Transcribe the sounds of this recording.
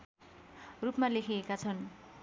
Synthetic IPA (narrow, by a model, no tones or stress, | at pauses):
rupmalekʰeːkat͡sʰʌn